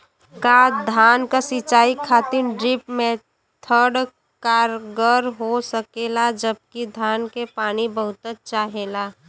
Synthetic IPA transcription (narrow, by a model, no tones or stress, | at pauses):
kad̪ʱaːnkasɪt͡ʃaːikʰaːt̪ɪnɖɾɪpmẽ | t̪ʰəɽ | kaːɾɡəɾɦosəkelad͡ʒəb̚kid̪ʱaːnkepaːnibəɦʊt̪ət͡ʃaːɦeːla